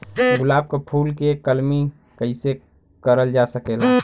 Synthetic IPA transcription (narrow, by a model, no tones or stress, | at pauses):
ɡʊlaːb̚kepʰuːlkekəlmi | kəɪise | kəɾəld͡ʒasəkeːla